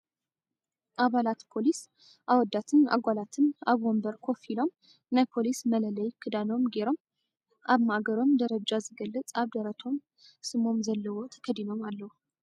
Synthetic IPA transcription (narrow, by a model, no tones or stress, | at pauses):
ʔaβalat̪pʰo̞lis | ʔawɔd̪ːat̪ʰɨna̰ɡʷalat̪ʰɨnaβombəɾkʰo̞filom | nəpʰo̞lismələləjkʰɨd̪anomɡeɾom | ʔaβmaɡəɾo̞md̪əɾəd͡ʒazɨɡəlːət͡sʼaβd̪əɾət̪ʰo̞m | sɨmo̞mzəlːɨwot̪ʰə̥kʰəd̪inomalːəhu